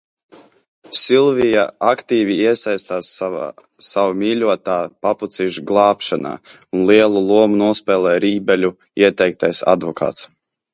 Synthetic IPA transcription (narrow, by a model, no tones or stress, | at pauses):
sʲilˠvijaakt̪iːvʲiiɛsajst̪aːsː | avamʲiːlʲuɔt̪aːpaput̪siʒɡlˠɑːpʃana̰ː | unliɛlˠulˠuɔmunuɔspʲɛːlˠɛːjɾiːbɛlʲu | iɛt̪ɛjk̚t̪ajsa̰d̪vɔkʰa̰ːt̪s